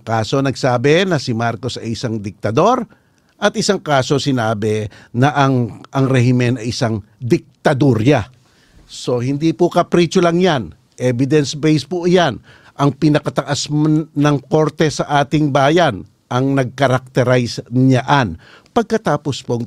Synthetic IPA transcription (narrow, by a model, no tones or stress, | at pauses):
kaːso̞nɐɡsaːbɛnɐsɪmaɾko̞sɐ̰jɪsaŋd̪ɪk̚t̪ɐd̪o̞ɾ | ʔɐt̪ʔɪsaŋkaːso̞sɪnaːbɛnɐʔɐŋʔɐŋɾɛhɪmɛnɐjɪsaŋ | d̪ɪk̚t̪ɐd̪uɾja | so̞hɪnd̪ipʊkɐpɾit͡ʃolɐŋjan | ʔɛbɪd̪ɛnsbɛjspʊʔjan | ʔɐŋpɪnɐkɐt̪ɐʔasmnɐŋko̞ɾt̪ɛsɐʔaːt̪ɪŋbaːjan | ʔɐŋnɐɡ̚kɐɾɐk̚t̪ɛɾajsɲaʔanpɐɡ̚kɐt̪aːpo̞spo